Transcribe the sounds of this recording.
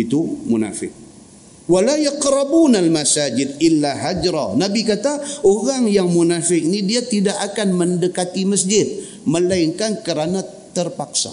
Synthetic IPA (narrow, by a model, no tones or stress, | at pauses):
it̪umuna̰fɪ̰k̚ | walajaqɾabunalmasad͡ʒɪd̚ɪlːaɦad͡ʒɾanabikat̪aoɾaŋjaŋmunafɪk̚nidiat̪idakakanməndəkat̪iməs̬d͡ʒɪt̪̚ | mə̃laiŋkankəɾana | t̪ərpaksa̰